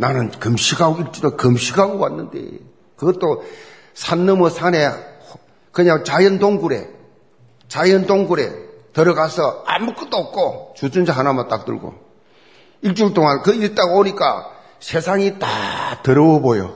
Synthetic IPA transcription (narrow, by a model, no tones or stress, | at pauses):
nanɯnkɯmɕʰiɡaɡoiɭt͡ɕ͈udokɯmɕʰiɡaɡowanːɯndḛ | kɯɡʌt͈o | sʰanːɯmɯsʰane | kɯɲaŋt͡ɕajɯndoŋɡuɾe̞̰ | t͡ɕajɯndoŋɡuɾe̞̰tʌɾʌɡasʰʌa̰muk͈ɯt͈oːp̚k͈ʰot͡ɕud͡ʑund͡ʑaɦanamat͈ak̚t͈ɯ̰ɭɡo̰ | iɭt͡ɕ͈uɭt͈oŋankɯiɾt͈aɡaboɲik͈a̰ | sʰe̞sʰaŋitatɯɾʌwʌbojo